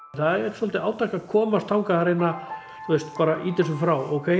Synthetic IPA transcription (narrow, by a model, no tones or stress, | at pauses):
θaðɛɾɛɾsɔlt̪ɪaːwt̪ʰajkakʰɔːmast̪ʰawŋkaθaɾenːa | θuest̪paːɾaʔit̪ɛs̬ʏmfɾawo̰wkʰe